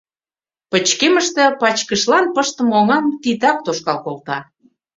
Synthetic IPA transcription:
pə̆t͡ɕkeməʃt̪ĕpɑt͡ɕkəʃlɑnpəʃt̪ə̆moŋɑmt̪it̪ɑk̚t̪oʃkɑlkolt̪ɑ

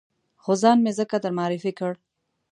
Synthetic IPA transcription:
xozɑnmezəkad̪əɾmɑːɾɪfikəɽ

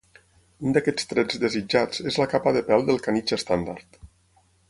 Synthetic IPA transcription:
und̪akɛt͡st̪ɾɛd͡zd̪əzid͡ʒat͡sezləkapəðəpɛlˠd̪əlˠkanit͡ʃəst̪and̪aɾt̪

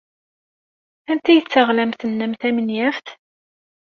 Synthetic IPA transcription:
ænt̪æjət͡sːəʁlæmθənːæmθæmənjæfθ

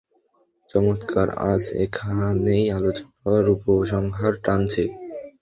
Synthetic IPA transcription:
t͡ɕɔmot̪kʰaɾa̰d͡ʑḛkʰaanejalot͡ɕonɔaɾupoʃ̬ɔŋɦaɾʈant͡ɕʰe

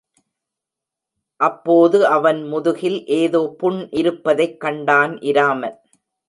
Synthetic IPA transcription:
ʔɐpːoːðɯɐʋɐnmʊðʊɣɪlʔeːðoːpʊɳʔɪɾɯpːɐðɐɪkːɐɳɖaːnʔɪɾaːmɐl

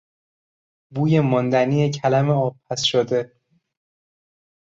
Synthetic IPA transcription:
buːjemɒnd̪æniːjecʰælæmeɒːb̚pʰæsʃod̪e̞

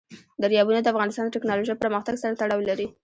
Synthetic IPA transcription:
d̪əɾjɑbunad̪əafɣɑnɪst̪ɑnd̪əʈɪknɑloʒəjpəɾməxt̪aɡsaɾat̪aɽɑwlaɾi

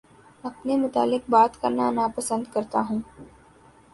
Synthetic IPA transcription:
ɐpnemʊt̪a̰ːlɪk̚baːt̪kɐɾnanapɐsə̃nd̪kɐɾt̪aɦũː

